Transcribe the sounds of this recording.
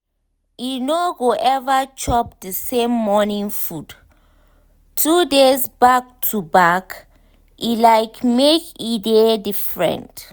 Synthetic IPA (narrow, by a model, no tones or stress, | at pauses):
inoɡoʔɛvat͡ʃʰɔp̚dəsẽmːɔnĩŋfud | tʰudezbak̚tʰubak | ʔilajkmekidedifɹɛ̰̃nt